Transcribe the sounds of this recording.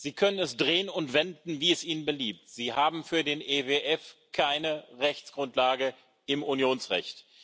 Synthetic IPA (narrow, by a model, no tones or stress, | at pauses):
z̥iːkʰœnənɛsd̥ʁeːənʊntv̥ɛndn̩viːɛsʔiːnənbəliːp̚tz̥iːhaːbm̩fyːɐdeːnʔeveʔɛfkʰaɪnəʁɛçt͡sɡ̥ʁʊntlaːɡə | ʔɪmunjoːnsʁɛ̰çt